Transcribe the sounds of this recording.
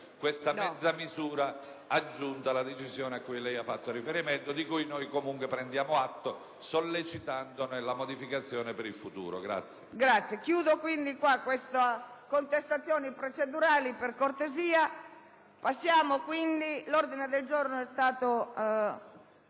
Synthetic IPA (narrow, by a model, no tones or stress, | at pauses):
kwest̪amɛd̪zːamizuːɾaː | d͡ʒːunt̪alad̪et͡ʃizjɔːneakːujlɛjafːat̪ːorifeɾiment̪od̪ikujnojkomuŋkwepɾɛnd̪jaːmoat̪ːo | solːet͡ʃit̪and̪onelamod̪ifikat̪sːjɔːnepeɾilfut̪ṵːɾo̰ɡɾa̰t̪sːjeɡɾat̪sːjekjuːd̪okwind̪ikwakːwest̪akont̪est̪at̪sːjɔːnipɾot͡ʃed̪uɾaːliperkort̪eziːa | pasːjaːmokwind̪ilɔrd̪ined̪eld͡ʒɔrnoɛst̪aːt̪o